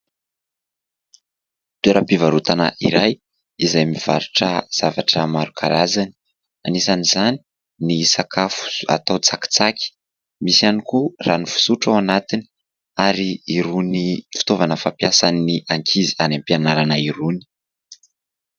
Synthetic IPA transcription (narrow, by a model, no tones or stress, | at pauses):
t̪eɾapivaɾut̪ana̰ʔiɾaj | izajmiv̥a̰ɾuʈ͡ʂəz̥avaʈ͡ʂəmaɾukʰa̰ɾazani̥ | anisanizani̥ | nisakʰafu̥a̰t̪awt͡saki̥t͡sakʲi̥ | misianikuranifu̥suʈ͡ʂawanat̪ini̥ | aɾiiɾunifi̥t̪ovanəfampiasaniniʔaŋkʰizianampianaɾanaiɾuni̥